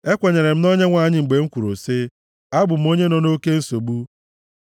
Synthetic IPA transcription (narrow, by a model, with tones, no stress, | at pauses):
e˦kʷe˨ɲe˨ɾe˨m̩˦no˦ɲe˦ŋʷa˨ɲɪ˦ŋ͡m̩˨ɡ͡be˨ŋ̩˦kʷu˨ɾo˨sɪ˦ | a˦bʊ˨m̩˦o˦ɲe˦nɔ˨no˦ke˦n̩˦so˨ɡ͡bu˦